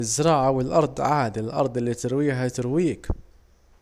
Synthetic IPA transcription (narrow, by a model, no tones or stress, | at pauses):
əzːəɾˤɑʕawəlʔɑɾˤd̪ˤʕad̪aləlʔɑ̰ɾˤd̪ˤlːit̪əɾwijɦæt̪əɾwiək